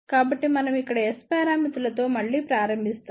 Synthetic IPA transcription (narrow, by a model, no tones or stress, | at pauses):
kaːbɐʈːimɐnɐmikːɐɽɐespaːɾaːmit̪ulɐt̪o̞ːmɐɭːiːpɾaːɾɐmbʱist̪ɐ